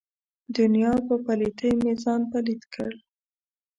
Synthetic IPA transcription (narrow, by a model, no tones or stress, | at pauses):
d̪ʊnjɑpəpalit̪əjmezɑnpalid̪kʰə̰ɽ